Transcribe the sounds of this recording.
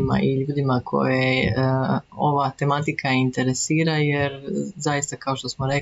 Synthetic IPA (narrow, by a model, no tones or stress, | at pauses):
ma̰ʔiʎuːd̪imakʰo̞̰je | o̞ʋat̪e̞mat̪ikʰaint̪e̞ɾesiːɾajeɾzajist̪akao̞ʃt̪o̞smoɾe